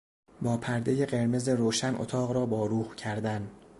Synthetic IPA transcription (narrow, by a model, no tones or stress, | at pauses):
bɒːpʰæɾd̪e̞je̞ɢe̞ɾme̞ze̞ɾoːʃænʔo̰t̪ʰɒːɣɾɒːbɒːɾuːhcʰæɾd̪æn